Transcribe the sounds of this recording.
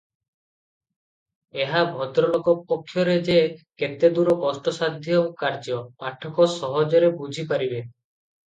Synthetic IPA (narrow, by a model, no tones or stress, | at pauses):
eɦabʱɔd̪ɾɔlɔkɔpɔkʰːjɔɾed͡ʒeket̪ed̪uɾɔkɔsʈɔsad̪ʱjɔkaɾd͡ʒɔpaʈʰɔkɔsɔɦɔd͡ʒɔɾebud͡ʒʱipaɾibe